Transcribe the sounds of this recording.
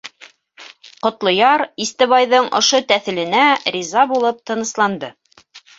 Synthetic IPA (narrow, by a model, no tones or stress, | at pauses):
qŏt̪lˠŏjɑɾist̪ɘ̆βɑjðɤɴŏ̰ʃot̪æθɘ̆lɘ̆nærʲizɑbulˠɤp̚t̪ɤ̆nɤ̆slˠɑnd̪ɤ